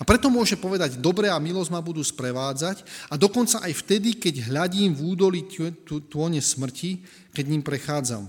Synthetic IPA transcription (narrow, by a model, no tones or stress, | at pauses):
apɾɛt̪ɔmʊɔʒɛmpɔʋɛd̪aɟd̪ɔbɾɛamilɔzɟmabud̪uːspɾɛʋaːd͡zacad̪ɔkɔnt͡saʔajft̪ɛd̪ikɛɟɦʎaɟiːmvuːd̪ɔlit̪ʊɔɲɛsmr̩cʰi | kɛɟɲimpɾɛxaːd͡za̰m